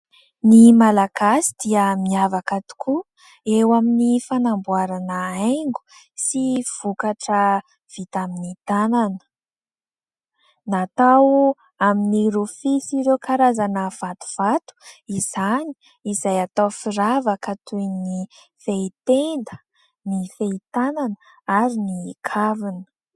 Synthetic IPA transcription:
nimalaɡasid̪iəmiavakat̪u̥kʰu | ewaminifanambuaɾanəajŋɡu̥ | siv̥ukaʈ͡ʂə | v̥it̪aminit̪ananə̥ | nat̪aw | aminiɾufisiɾewkaɾazanəv̥at̪u̥v̥at̪u̥iz̥ani̥ | izajat̪awfiɾavakət̪ujni | feit̪end̪ə | nifeit̪ananə | aɾinikʰavinə̥

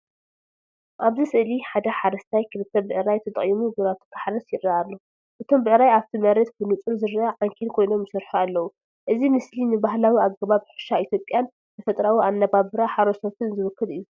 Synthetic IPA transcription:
ʔaβzɨsɨʔliħad̪ɐħaɾɐst̪ʰajkʰɨlɨt̪ʰːɐbɨʕɨɾajt̪ʰɐt̪ʼɐχʼjimuɡɨɾat̪ʰɨk̪ʰḁħaɾɐsjɪɾːaalːo | ʔɨt̪ʰo̞mbɨʕɨɾajaβt̪ʰimɐɾɛt̪̚bɨnut͡sʼuzɨɾaaʕaŋkʰelkʰo̞jno̞mjɨsɨɾħualːɐwu | ʔɨzimɨslinɨbaɦlawiaɡːɐβaβħɨ̥ʃait̪ʰjo̞pʼjan | t̪ʰɐfɐt̪ʼɾawiʔanːɐβaβɨɾaħaɾosot̪ʰɨnzɨβɨkːɨlɨjːu

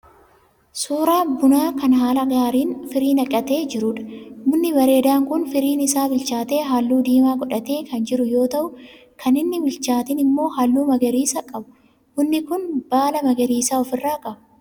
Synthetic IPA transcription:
suːɾaːbʊnaːkɐnɦaːlɐɡaːɾiːnfɪɾiːnɐkʼːɐt̪e̞ːd͡ʒɪɾʊᶑɐ̥mʊnːɪbɐɾe̞ːd̪aːŋkʊnfɪɾiːnɪsaːbɪlt͡ʃaːt̪e̞ːɦalːuːd̪iːmaːɡɔᶑɐt̪e̞ːkʰɐnd͡ʒɪɾʊjo̞ːt̪ɐʔʊ | kʰɐnɪnːɪbɪlt͡ʃaːt̪ɪnɪmːo̞ːhalːuːmɐɡɛɾiːsɐkʼɐbʊ̥ | mʊnːɪkʊnb̥aːlɐmɐɡɛɾiːsaːɔfɪrːaːkʼɐbɐ

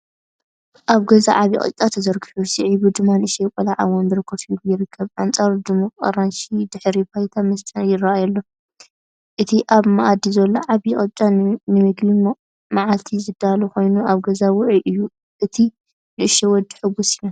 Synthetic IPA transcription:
ʔaβɡɐza̰ʕaβjḭχʼɨ̰t͡ʃʼat̪ʰɐzɐɾɡɨħusiʕibɨd̪ɨmːanɨʔɨʃɛjkʷʼɔlaʕawɔnbɨɾɨkʰːɐβsɨljɪɾɨkʰːɐβʔant͡sʼaɾd̪ɨmukʼqʼɐ̰ɾanʃid̪ɨħɾibajt̪ʰamɐst̪ʼɐnjɪraʔajɐlːo̞ | ʔɨt̪ʰiʔaβmaʔad̪izɐlːoʕaβjiχʼɐt͡ʃʼanɨmɨɡbim | maʕalt̪ʰizɨd̪aluko̞jnuʔaβɡɐzawʊʕiʔɨjːu | ʔɨt̪ʰi | nɨʔɨʃɛwɔd̪ːi̥ħɨβusina

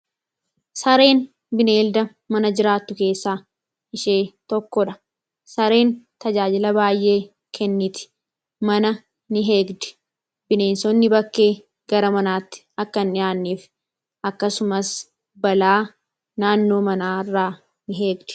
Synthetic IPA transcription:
sɐɾe̞ːn | bɪne̞ːld̪ɐ | mɐnɐd͡ʒɪɾaːt̪ːʊke̞ːsːaː | ɪʃeːt̪ɔkːɔᶑɐ̥ | sɐɾe̞ːnt̪ɐd͡ʒaːd͡ʒɪlɐbaːjʔe̞ː | kʰɛnːɪt̪ɪ̥ | mɐnɐ | nɪɦe̞ːɡd̪ɛ̥ | b̥ɪne̞ːnsɔnːɪbɐkːe̞ː | ɡɐɾɐmɐnaːt̪ːɪ̥ɐkːɐnɪaːnːiːf | ɐkːɐsʊmɐs | bɐlaː | naːnːo̞ːmɐnaːɪrːaː | nɪɦe̞ːɡd̪ɛ̥

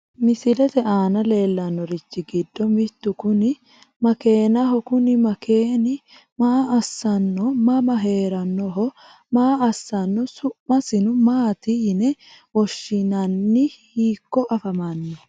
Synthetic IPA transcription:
mɪsɪlɛt̪ɛʔaːnɐle̞ːlːɐnːɔɾɪt͡ʃːɪɡɪd̪ːɔmɪt̪ːʊkʊnɪ | mɐke̞ːnɐɦɔkʊnɪmɐkʰeːnɪ | maːɐsːɐnːɔmɐmɐɦe̞ːɾɐnːɔɦɔ | maːɐsːɐnːɔsʊʔmɐsɪnʊmaːt̪inɛwɔʃːɪnɐnːɪhiːkːɔʔɐfɐmanːɛ

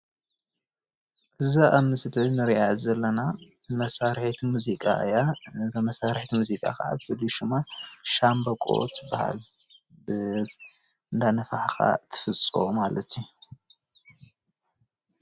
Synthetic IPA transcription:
ʔɨzaʔamɨsɨt̪nɨɾiazɐlːɐna | mɐsaɾħt̪ʰimuzikʼa̰jatɐmɐsaɾħt̪ʰimuzikʼa̰kaʕa̰bfɨliʃumaʃambɐkʼo̰t̪ɨbaha̰l | bɨ | ɨnd̪anɐfaħxa̰t̪ʰɨ̥fɨt͡sʼomalɐt̪ʰːiu

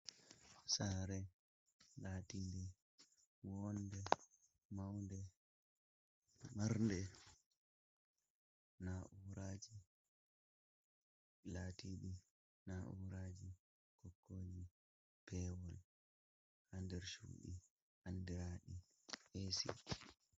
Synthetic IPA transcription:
saɾɛ | laːtindi | wɔndɛ | mawndɛ | maɾndɛ | naʔuɾaːd͡ʒi | latiɗi | naʔṵɾaːd͡ʒi | kɔkːoːd͡ʒi | pʰɛːwɔl | handɛɾʃṵːɗḭ | andiɾaɗi | esḭ

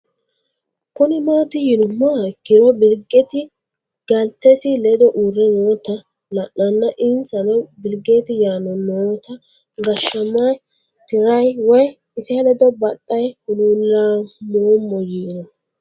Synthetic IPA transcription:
kʊnɪmo̞ːt̪ɪjɪnʊmːakːɪɾɔbɪlɡɛt̪ɪ | ɡ̥ɐlt̪ːɛsɪlɛd̪ɔʔuɾːɛnoːt̪ɐ | lɐʔːɐnːɐʔɪnsɐnɔbɪlɡet̪ɪjaːnɔnoːt̪ɐ | ɡɐʃːɐma | t̪ɪɾɐjwɔjɪsɪɐlɛd̪ɔbɐt̪ʼːɐjhʊnuːlːaːmoːmːɔjiːnɔ

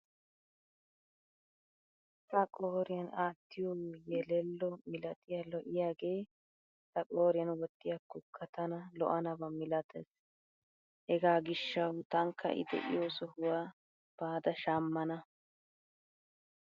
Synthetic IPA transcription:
t̪ɐkʼoːɾɪjɐnaːt̪ːɪjojɛlɛlːɔmɪlɐt̪ʼɪjalɔʔɪjaːɡe̞ː | t̪ɐkʼoːɾɪjɐnwɔt̪ːɪjakːʊkʰːɐt̪ɐnɐlɔ̰ʔɐnɐbɐmɪlɐt̪ʰɛs | hɛɡaːɡɪʃːɐwt̪ɐŋkʰːɐ̰ʔɪ̰d̪ɛ̰ʔɪ̰joːsɔhʊwaː | b̥aːd̪ɐʃaːmːɐnɐ

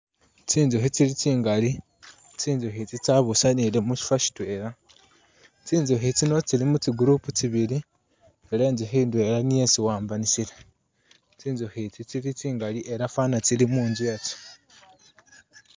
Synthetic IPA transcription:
t͡siːnzoxit͡silit͡siːŋɡali | t͡siːnzoɦit͡sit͡saβusanilemuʃi̥faʃi̥twe̞ːɾa | t͡siːnzoxit͡sino̞t͡silimut͡siɡuɾuːput͡siβili | ele̞ːnzixiːndwe̞lanijesiwaːmbanisile | t͡siːnzohit͡sit͡silit͡siːŋɡaliʔe̞ɾafanat͡silimuːnzujat͡si̥

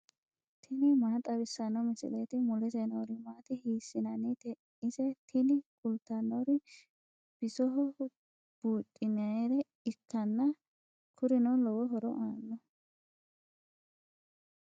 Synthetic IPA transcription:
t̪ʰɪnɪmaːt̪ʼɐbɪsːɐnːɔmɪsɪ̰leːt̪ɪmʊlɛzenoːɾɪmaːt̪ɪhiːsːɪnɐnːɪt̪ɛ | ɪsɛt̪ʰɪnɪkʼʊlt̪ːɐnoɾɪ | b̥ɪsɔɦɔ | b̥uːt̪ʼːɪnɐneɾɛ | ɪkːɐnːɐ | kʰʊɾɪnɔlɔwɔɦɔɾɔ̰ʔaːnːɔ

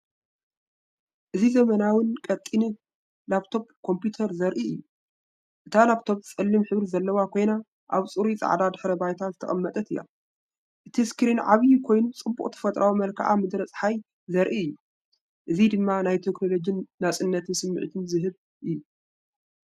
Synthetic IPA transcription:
ʔɨzizɐmɐnawɨnkʼɐt̪ʼːini | laβt̪ʰo̞b̚kʰo̞mpjut̪ʰɐɾzɐɾʔiɨjːu | ʔɨt̪ʰalaβt̪ʰo̞b̚t͡sʼɨlːɨmħɨβɾizɐlːɐwakʰo̞jna | ʔa̰βt͡sʼɨɾut͡sʼa̰ʕd̪ad̪ɨħɾɐbajt̪ʰazɨt̪ʰɐ̰χʼɐmːɐt̪ʼɐt̪ɨjːa̰ | ʔɨt̪ʰiskɾinʕaβɨjukʰo̞jnut͡sʼɨbːuχʼt̪ʰɐ̥fɐt̪ʼɾʔawumɐlkʰa̰ʔamɨd̪ɾɐt͡sʼħaj | zɐɾʔiɨjːu | ʔɨzid̪ɨmːanajt̪ʰekno̞lo̞d͡ʒɨnːat͡sʼɨnːɐt̪ʰɨnsɨmːɨ̰ʕt̪ʰɨnzɨɦɨβ | ʔɨjːu

